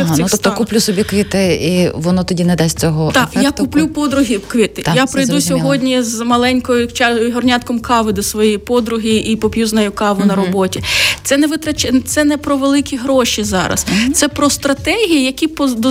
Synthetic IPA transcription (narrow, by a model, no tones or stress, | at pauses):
it̪ɔt̪ɔkʊplʲusɔbʲikʋʲit̪ɪiʋɔnɔt̪ɔdʲinɛd̪asʲtʲt͡sʲɔɦɔt̪ɑjakʊplʲupɔd̪ɾʊɦʲikʋʲit̪ɪjapɾɪjd̪usʲɔɦɔdʲnʲizmɐlˠɛnʲkɔjʊt͡ʃɑjɦɔrnʲɑt̪kɔmkɑʋɪd̪ɔsʋɔjijpɔd̪ɾʊɦiʔipɔpʲjuznɐjʊkɑʋʊnɐɾɔbɔtʲit̪sɛnɛʋɪt̪ɾɐt͡ʃʲɛt̪sɛnɛpɾɔʋelˠɪkʲiɦɾɔʃizɑɾɐ̰st̪sɛpɾɔst̪ɾɐt̪ɛɦʲijijɐkʲipɔd̪ɔ